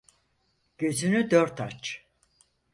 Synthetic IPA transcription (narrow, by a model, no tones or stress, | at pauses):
ɟ̥øzynyd̪øɾt̪at͡ʃ